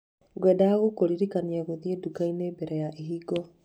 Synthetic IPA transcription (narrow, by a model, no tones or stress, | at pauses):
ɡwɛdaɣokoɾiɾikaniaɣoðiedukainembɛɾɛjaʔeɦiɡɔ